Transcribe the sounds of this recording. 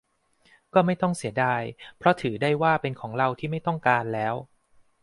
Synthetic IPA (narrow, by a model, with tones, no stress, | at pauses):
kɔː˥˩ma˥˩jt̪ɔ˥˩ŋsi˩˦ədaː˧jpʰɾɔ˦˥t̪ʰɯː˩˦daː˥˩jwaː˥˩pe˧nkʰɔː˩˦ŋɾa˧wt̪ʰiː˥˩ma˥˩jt̪ɔ˥˩ŋkaː˧nlɛː˦˥w